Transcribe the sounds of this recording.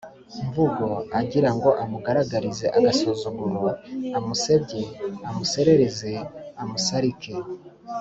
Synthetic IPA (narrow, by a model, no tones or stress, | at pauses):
ɱvuɡo̞aɟiɾaŋɡo̞ʔamuɡaɾaɡaɾize̞ʔaɡasozuɡuɾoamuse̞bɟeamuse̞ɾe̞ɾeze̞amusaɾike